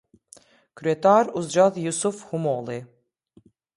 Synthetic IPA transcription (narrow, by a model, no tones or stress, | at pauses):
kɾet̪ʰaɾuzd͡ʒaðjusufhumoːlˠi